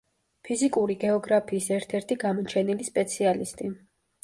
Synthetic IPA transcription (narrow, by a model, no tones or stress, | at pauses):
pʰizikʼuɾiɡɛɔɡɾapʰiːsɛɾt̪ʰɛɾt̪ʰiɡamɔt͡ʃʰɛnilispʼɛt̪sʰialist̪ʼi